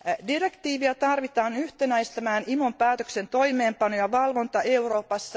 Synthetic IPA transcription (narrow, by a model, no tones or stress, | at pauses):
dire̞kt̪iːʋiɑt̪ɑrʋit̪ɑːnyht̪enæist̪æmæːnimompæːt̪øksent̪o̞jmeːmpɑnojɑʋɑlʋo̞nt̪ɑe̞uro̞ːpɑsːɑ